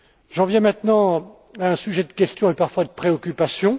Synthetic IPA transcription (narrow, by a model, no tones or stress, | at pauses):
ʒɑ̃vjɛ̃mɛ̃t̪nɑ̃ | aɛ̃syʒɛd̪əkʲɛst̪jɔ̃epaʁfwad̪əpχeɔkʲypasjɔ̃